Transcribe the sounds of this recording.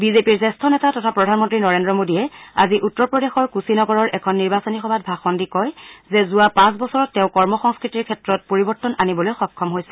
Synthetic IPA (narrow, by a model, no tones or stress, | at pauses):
bizepiɹzɛstʰɔnɛtatɔtʰapɹɔdʱanmɔntɹinɔɹendɹɔmodijɛa̰ziʔutːɔɹpɹɔdexɔɹkusinɔɡɔɹɔɹʔɛkʰɔnːiɹbasonixɔbʱat̚bʱaxɔndikɔjzɛzuapãsbɔsɔɹɔtːeʊ̃kɔɹmɔxɔŋskɹitiɹkʰɛtɹɔt̚poɹibɔɹtːɔnanibɔlojxɔkʰːɔmɦojsɛ